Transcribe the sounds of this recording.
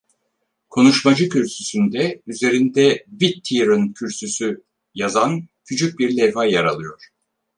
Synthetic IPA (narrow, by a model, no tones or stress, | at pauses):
kʰo̞nuʃmad͡ʒɯcʰyɾsysynd̪ɛyze̞ɾind̪ɛbit̪ʰːiɾɯncʰyɾsysy | jazancʰyt͡ʃʰyc̚biɾlʲɛvajaɾalˠɯjo̞ɾ̥